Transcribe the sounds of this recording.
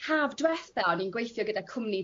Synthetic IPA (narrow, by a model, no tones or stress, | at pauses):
haːvdwɛθbɛninɡwejθjɔɡədakʰʊmni